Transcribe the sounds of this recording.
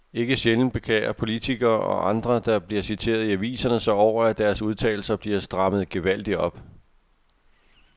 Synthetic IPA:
e̝ɡ̥əɕeln̩b̥e̝kʰḛːɐpʰo̝lit͡sʰiɡ̥ɐːɒ̽ʔɑ̈nd̥ʁɐd̥ɑ̈b̥liɐsit͡sʰe̝̰ːɐðˠiæʋḭːsɐnəsɒɒʊ̰ɐæd̥æɐsuðˠt͡sʰɛ̰ːɪl̩sɐb̥liɐsd̥ʁɑ̈məð̩ˠɡ̥e̝ʋæl̰d̥iɒ̽b̥

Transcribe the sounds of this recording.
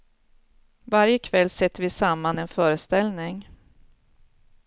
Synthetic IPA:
vaɾjəkʰvɛlːsɛt̪ːəɾvɪsamːanɛnfœːɾəst̪ɛlnɪŋ

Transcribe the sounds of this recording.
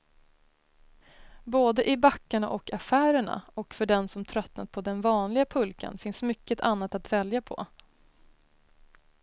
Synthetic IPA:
boːd̪əʔɪbakːaɳa̰ʔɔkafæːɾəɳa̰ɔkfœɖɛnsɔmt̪ʰɾœt̪na̰t̪̚pʰɔd̪ɛnvɑːnlɪɡapʰɵlka̰nfɪnsmʏkːət̪ʰanːat̪at̪vɛljapʰɔ̰

